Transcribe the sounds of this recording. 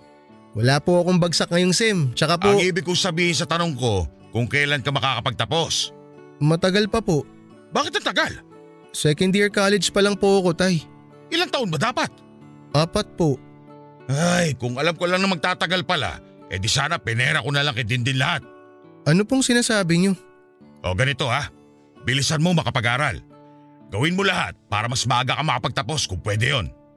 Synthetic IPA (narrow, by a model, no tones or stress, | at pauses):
wɐlaːpoʔɐkoŋbɐɡsɐk̚ŋɐjoŋsɛmt͡ʃɐkapʔoiːbɪkːʊŋsɐbiːhɪns̬ɐt̪ɐnoŋko̞ | kʊŋkɐjlankɐmɐkaːkɐpɐɡ̚t̪ɐpo̞s | mɐt̪ɐɡɐlpɐpo̞ʔ | baːkɪt̪ɐŋt̪ɐɡal | sɛkond̪jɪɹkaːlɛd͡ʒpɐlɐŋpoɐkot̪aj | ʔɪlaŋt̪ɐʔonbɐd̪aːpɐt̪̚ | ʔaːpɐt̪̚po̞ʔ | ajkʊŋɐlamkolaŋnɐŋmɐɡ̚t̪aːt̪ɐɡalpɐla̰ | ʔɛ̰d̪isaːnɐpɛnɛɾɐkonɐlaŋkɪd̪ɪnd̪ɪnlɐhat̪̚ | ʔɐnopoŋsɪnaːsaːbɪɲo | ʔo̞̰ɡɐnɪt̪o̞ha | bɪlɪsɐnmomɐkɐpɐɡaːɾal | ɡɐwɪnmolɐha̰t̪̚pa̰ːɾɐmɐsmɐʔaɡakɐmɐkɐpɐɡ̚t̪ɐpo̞skʊŋpwɛd̪ɛjon